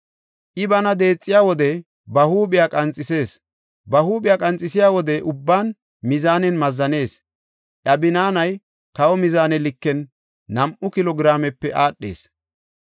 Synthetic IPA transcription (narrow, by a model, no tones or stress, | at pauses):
ʔɪbɐnɐd̪e̞ːt͡sʼːɪjaːwɔd̪ɛ | bɐhuːɓɪjaːkʼɐnt͡sʼːɪse̞ːs | bɐhuːɓɪjaːkʼɐnt͡sʼːɪsɪjaːwɔd̪ɛʔʊbːaːn | mɪzaːnɛnmɐzːɐne̞ːs | ʔɐbɪnaːnɐj | kɐwɔmɪzaːnɛlɪkːɛnː | ɐmʔʊkɪlɔɡɾaːmɛpːɛʔaːɗːe̞̰ːs